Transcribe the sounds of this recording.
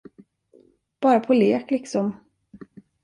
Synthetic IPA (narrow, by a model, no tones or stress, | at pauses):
b̥ɑːɾapʰɔleːklɪksɔm